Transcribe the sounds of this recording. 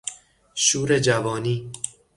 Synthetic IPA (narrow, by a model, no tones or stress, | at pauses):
ʃuːɾed͡ʒævɒːniː